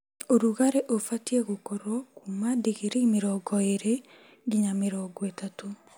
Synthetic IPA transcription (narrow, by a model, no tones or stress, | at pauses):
oɾuɣaɾeʔofatieɣokɔɾɔkumadeɣeɾemeɾɔɡɔeɾe | ɡiɲameɾɔɡɔetato